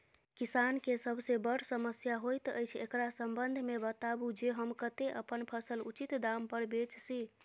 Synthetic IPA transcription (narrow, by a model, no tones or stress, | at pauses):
kisankesəbʱsebəɽ̤səməsjaɦojt̪ə̰jt͡ʃʰḛkɾasəmbənd̪ʱmebət̪abud͡ʒeɦəmkət̪eʔəpənpʰəsəlut͡ʃit̪d̪ampəɾbet͡ʃsi